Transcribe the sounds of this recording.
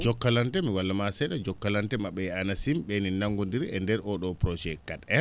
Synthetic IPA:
d͡ʒɔkːalantɛmiwalːamasɛɗad͡ʒɔkːalantɛmaɓːɛanasimɓɛninaŋɡondiɾɛndɛɾʔɔɗɔpɾɔd͡ʒɛkːatɛ

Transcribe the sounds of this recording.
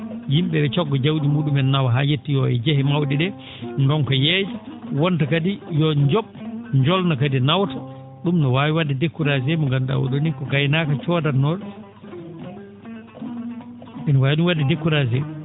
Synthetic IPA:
jimɓɛɓɛt͡ʃɔɡːɔd͡ʒawdimuːɗumɛnnːawaɦajetːijɔɛ̰d͡ʒɛhɛmawɗiɗɛ | ndɔnkɔjɛːd͡ʒawɔntakadijɔɲd͡ʒɔɓɲd͡ʒɔlnakadinawtḁ | ɗumnɔwaːwiwadːidekːuɾazɛmɔŋɡanda̰wɔ̰ɗonikɔɡajnaːkat͡ʃɔːdanɔɾ | mɛnɔwawniwadːidekːuɾazɛ

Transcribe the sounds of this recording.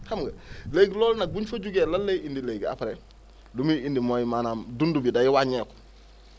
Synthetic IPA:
kamɡɐleɡlɔːlnaɡuɲfaɟuɡeːlalːejindilejɡa̰paɾe | lumiindimojimaːnaːmdundubidajiwaɲeːku̥

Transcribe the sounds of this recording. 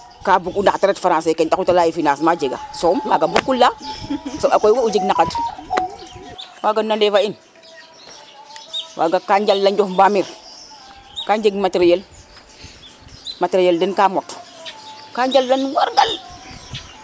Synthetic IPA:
kabukundataɾetfaɾãsekentakutalajifinasmad͡ʒeɡa̰somwaɡambukːulːasoakojwaud͡ʒeɡnakat | wʔaɡanːandefain | wʔa̰ɡakaɲd͡ʒalːand͡ʒohmbamiɾ | kaɲd͡ʒeɡmatɾijel | matɾijeldenkamot | kaɲd͡ʒalːanwaɾɡal

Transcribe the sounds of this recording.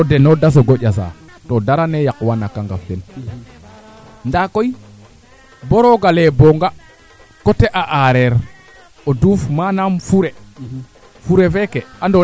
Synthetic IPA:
tɔdɛnɔdas̬ɔɡɔʄʲasa̰ | tɔdaɾanɛjakwanakaŋɡaftɛn | ndakɔj | bɔɾɔɡalɛbɔŋɡa | kɔtɛʔaʔaɾɛɾ | ɔdufmanamfuɾɛ | fuɾɛfɛkɛandɔ

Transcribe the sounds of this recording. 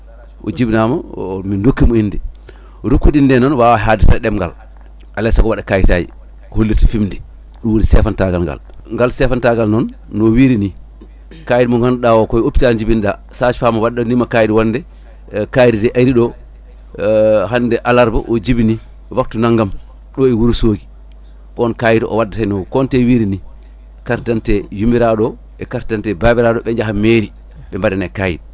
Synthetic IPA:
ʔɔ̰d͡ʒibnamamindokːimɔindɛ | ɾukːuɗindɛnɔnwawaɦaditaɛɗɛmɡa̰l | ʔalɛsaɡɔwaɗakajtajḭ | holːitɔfimndɛ | ɗuwonisɛfantaɡalŋɡa̰l | ŋɡalsɛfantaɡalnɔnːɔwiːɾini | kajɗimɔŋɡanɗawɔkɔjoptiad͡ʒibinɗasat͡ʃfamɔwaɗːanimakajdiwandɛ | kajiditɛʔaɾiɗɔ | ɦanːdɛʔalaɾbɔ̰ʔɔd͡ʒibini | wak̚tunaŋɡam | ɗɔɛwuɾusoɡi | kɔnkajidʔɔ̰wadːatajnɔkɔntɛwiɾini | kaɾtantɛjumiɾaɗɔ | ɛkaɾtantɛbaːbɛɾaɗɔɓɛɲd͡ʒaɦameːɾi | ɓɛmbadɛnɛkaːjḭd̚

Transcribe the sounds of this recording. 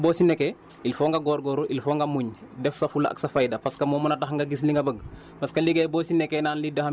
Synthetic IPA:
boːsinekɛ | ilfoːŋɡaɡoːɾɡoːɾuʔilfoːŋɡamuɲdɛfsafulaʔa̰ksɐfajdɐpaskamoːmɐnataxŋɡaɡis̬liŋɡabəɡ | paskaliɡajboːsinɛkɛnaːnlidoha

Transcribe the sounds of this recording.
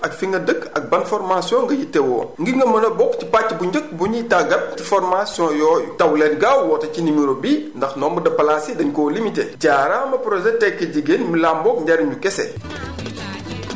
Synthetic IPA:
ʔɐkfiŋɡɐdəkːɐk̚bɐnfɔɾmasijɔ̃ŋɡɐjitːɛwɔ̰ːŋɡiŋɡɐmɐnɐbɔkcipacːbuɲɟək̚buɲitaɡɐt̚tifɔɾmasjɔ̃jɔːjṵtɐwlɛːnɡawwɔːtɐcinimiɾobindɐxnɔːmbudɐpɐlasidɐɲkɔːlimitḛɟaːɾamɐpɾɔʒɛtɛkːəɟiɡenmilaːmbɔkɲɟaɾiɲukɛsɛ̰

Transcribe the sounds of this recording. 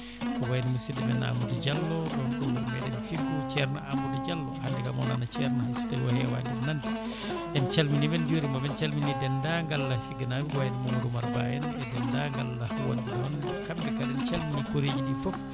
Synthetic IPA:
kɔwajnimisidɛbɛna̰mudid͡ʒalːɔdɔnɗumbuɾmɛdɛmifiɡut͡ʃɛɾna̰ʔambudid͡ʒalːɔhandɛkamɔ̰nanat͡ʃɛɾnahisi̥dɛwɔ̰hɛwa̰jnidɛnandi | ʔɛnt͡ʃalminimɛnd͡ʒoɾimabɛnt͡ʃalminidɛndaŋɡalːafiɡanabiwajnimomudumaɾbaːjɛnɛdɛndaŋɡalːahwanbidɔɔnɛkambɛkaɾɛnt͡ʃalminikoɾed͡ʒidifɔf

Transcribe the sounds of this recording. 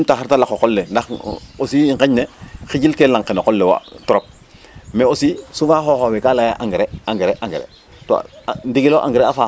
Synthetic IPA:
mtaɦaɾtalakokolːendaxo̰siiŋkeɲnexiɟilkelaŋkenokolːewa̰tɔɾop̚ | meosisufaxoːxowekalajaʔaŋɡeɾeaŋɡeɾeʔaŋɡḛɾḛ | to̰ndiɡiloʔa̰ŋɡeɾeafa

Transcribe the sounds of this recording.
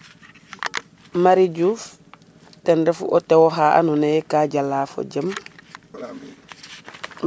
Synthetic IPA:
maɾiɟuːf | tɛndɛfṵʔotɛwoɦaːʔa̰nunejɛkaːɟalːaːfo̰ɟəm

